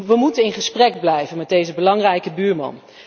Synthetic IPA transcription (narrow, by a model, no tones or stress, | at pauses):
ʋəmutənɪnχəsprɛɡblɛjvənmɛdejzəbəlɑŋrɛjkəbyːɹmɑ̰n